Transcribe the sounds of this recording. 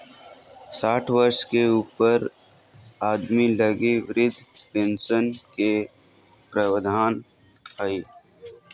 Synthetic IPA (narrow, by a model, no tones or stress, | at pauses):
saːʈʰʋəɾʃkeuːpəɾ | aːd̪miləɡiʋɪɾɪd̪ʱpẽnsənke | pɾəwəd̪ʱaːn | aiː